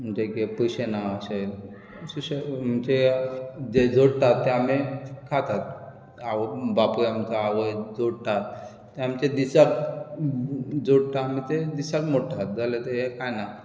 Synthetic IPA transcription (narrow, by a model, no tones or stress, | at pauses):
məd͡ʑekepəɕenaəɕe | suɕeət͡ɕe | d͡ʑed͡zoɽʈ̪at̪ːeamikʰat̪at̪̚ | aʋobapɾamt͡saːʋoed͡zoɽʈat̪̚ː | eamt͡ɕed̪isak̚ | d͡zoɽʈamit̪ed̪isakmoʈʰːat̪̚d͡zalet̪eɦekajna